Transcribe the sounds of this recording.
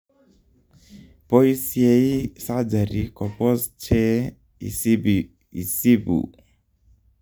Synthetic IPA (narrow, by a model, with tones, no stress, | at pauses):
po˦i˦sie˦i˦sa˦d͡ʒa˨ɾi˨kɔ˨pɔ˦st͡ʃɛ˦ | i˨s | i˨si˦bṵ˨